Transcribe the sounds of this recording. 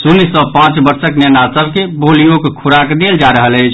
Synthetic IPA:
sunisɔpãt͡ʃbəɾsəkneɾnasəbʱkebolijoɡkʰuɾakd̪eld͡ʒaɾəɦələɪt͡ʃʰ

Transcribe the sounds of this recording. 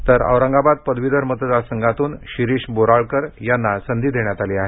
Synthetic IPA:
t̪əɾə̰ʋɾə̃ŋɡabad̪̚pəd̪ʱʋid̪əɾmət̪əd͡z̪aɭsəŋɡat̪uːnɕiɾiɕboɾaɭkəɾjanːasənd̪ʱiːd̪ʱeɳjat̪aliːaɦe

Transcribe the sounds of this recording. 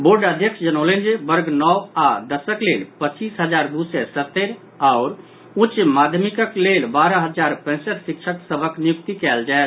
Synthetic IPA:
boɾɖəd̪ʱjəksd͡ʒənolẽnd͡ʒebəɾɡnɔwad̪əsəklelpət͡ʃːisɦəd͡ʒaɾd̪usɛsət̪ːeɾ | aʊɾ | ũt͡ʃmad̪ʱjəmikəklelbaɾəɦəd͡ʒaɾpə̃ɪ̃sət̪sikt͡ʃʰəksəbʱəknijukt̪ikɛld͡ʒae

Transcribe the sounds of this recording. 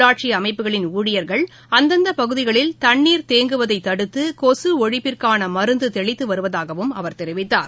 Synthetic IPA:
aːʈ̚t͡ʃiɐmɐɪpːɯɣɐɭɪnuːɽɪjɐɾɣɐɭ | ɐnd̪ɐnd̪ɐpɐɣɯðɪɣɐɭɪlt̪ɐɳːiːɾt̪eːŋɡɯʋɐðɐɪt̪ːɐɽɯt̪ːɯkɔsɯɔɻɪpːɪrkaːnɐmɐɾɯnd̪ɯt̪ɛɭɪt̪ːɯʋɐɾɯʋɐðaːɣɐʋɯmɐʋɐɾt̪ɛɾɪʋɪt̪ːa̰ːɾ

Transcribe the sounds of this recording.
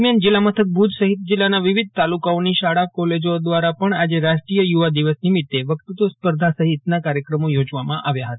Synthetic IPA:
mjand͡ʒilːamət̪ʰək̚bʱud̪səɦit̪̚d͡ʒilːanaʋiʋid̪̚t̪alukaõniʃaɽakɔled͡ʒod̪ʋaɾapəɳad͡ʒeɾaʃʈɾijəjuʋad̪iʋəsnimɪt̪ːeʋəkt̪ut̪ospəɾd̪ʱasəɦit̪nakaɾjəkɾəmojod͡ʒʋamãʔaʋjaɦət̪a

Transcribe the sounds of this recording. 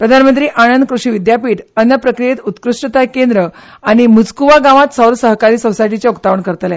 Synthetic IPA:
pɾəd̪ʱanmənt̪ɾiːʔañənd̪kɾuʂiʋid̪japiːʈənːəpɾəkɾijet̪ut̪kɾuʂʈət̪akend̪ɾə | aɽ̃imud͡zkuʋaɡaʋat̪səwɾsəɦkaɾiːsəwsajʈ̬it͡ɕaukt̪aʋəɳkəɾt̪lɛ

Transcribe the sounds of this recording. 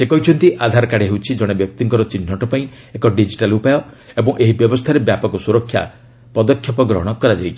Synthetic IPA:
sekɔɦit͡ʃʰɔnt̪iʔad̪ʱaɾɔkaɽeɦewt͡ʃʰid͡ʒɔɽ̃ebjɔk̚t̪iŋkɔɾɔt͡ʃin̤ːɔʈɔpaĩ | ekɔɖid͡ʒiʈalupajɔ | ebɔ̃ŋ̃ʔeɦibjɔbɔst̪ʰaɾebjapɔkɔsuɾɔkʰja̰ | pɔd̪ɔkʰjɔpɔɡɾɔɦɔɽ̃ɔkɔɾad͡ʒajt͡ʃʰi̥

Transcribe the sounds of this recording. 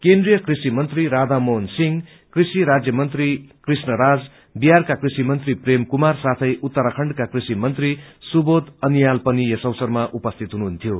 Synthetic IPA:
kend̪rijʌkrisimʌnt̪riɾad̪amonsiŋ | krisiɾad͡zjʌmʌnt̪rikrisnʌɾad͡z | biɦarkakrisimʌnt̪ripremkumarsat̪ʰʌjʔut̪ːʌɾakʰʌɳɖkakrisimʌnt̪risubod̪ʌnijalpʌnijʌsʌwsʌrmaʔupʌst̪ʰit̪ɦunuɦunt̪ʰjo

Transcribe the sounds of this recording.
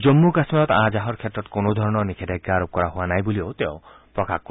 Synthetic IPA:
d͡ʒɔmːukasmiɾɔt̪ãd͡ʒaɦɔɾkʰet̪ɾɔt̪konod̪ʱɔɾɔɽ̃ɔnikʰed̪aɡaɾop̚kɔɾaɦuanajbuliot̪eo | pɾɔkʰakku

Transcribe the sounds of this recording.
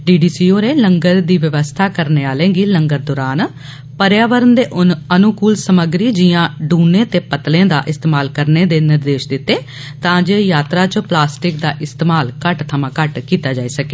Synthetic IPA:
ɖiːɖiːsiːoːɾeːləŋɡəɾd̪iːʋɪʋəst̪ʰaːkəɾneːaːlẽːɡiːləŋɡəɾd̪ɔːɾaːn | pəɾjaːʋəɾənd̪eːʔʊnənʊkuːlsəməɡɾiːd͡ʒɪjãːɖuːnẽːt̪eːpət̪lẽːd̪a̰ːʔɪst̪eːmaːlkəɾneːd̪eːnɪɾd̪eːʃd̪ɪt̪ːeː | t̪ãːd͡ʒeːjaːt̪ɾaːt͡ʃəplaːsʈɪk̚d̪aːʔɪst̪eːmaːlkəʈt̪ʰəmãːkəʈkiːt̪aːd͡ʒaːiːsəkeː

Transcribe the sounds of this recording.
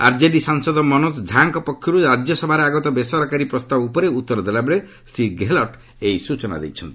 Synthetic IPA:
a̰ɾd͡ʒeɖisaŋsɔd̪ɔmɔnosd͡ʒʱaŋkɔpɔkʰːjɔɾuɾad͡ʒjɔsɔbʱaɾeaɡɔt̪ɔbesɔɾɔkaɾipɾɔst̪abupɔɾeut̪ːɔɾɔd̪elabele | sɾiɡelɔɾʈ | ejsut͡ʃɔna̰d̪ḛjt͡ʃʰɔnt̪i̥

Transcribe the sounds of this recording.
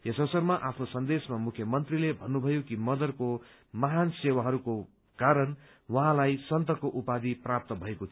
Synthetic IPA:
jesʌwsʌrmaʔapʰnosʌnd̪esmamukʰjʌmʌnt̪rilebʱʌnːubʱʌjokimʌd̪ʌrko | mʌɦansewaɦʌɾuko | kaɾʌn | wʌɦãlajsʌnt̪ʌkoʔupad̪iprap̚t̪ʌbʱʌekot̪ʰ

